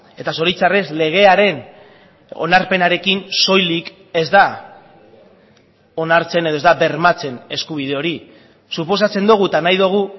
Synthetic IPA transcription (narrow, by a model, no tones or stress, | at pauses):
e̞t̪aso̞ɾit͡sare̞sle̞ɣ̞e̞aɾe̞n | o̞̰naɾpe̞naɾe̞kinso̞jlik | e̞zd̪a | o̞naɾt͡se̞neð̞ozd̪aβe̞ɾmat͡se̞ne̞skuβ̞ið̞e̞o̞ɾi | supo̞s̬at͡se̞nd̪uɣ̞ut̪anajðuɣ̞u